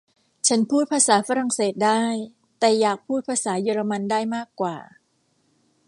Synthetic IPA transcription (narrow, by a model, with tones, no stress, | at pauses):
t͡ɕʰa˦˥npʰuː˥˩t̪̚pʰaː˧saː˩˦fa˧ɾa˨˩ŋseː˨˩t̪̚daː˥˩j | t̪ɛː˨˩jaː˨˩k̚pʰuː˥˩t̪̚pʰaː˧saː˩˦jɤː˧ɾa˧ma˧ndaː˥˩jmaː˥˩kːwaː˨˩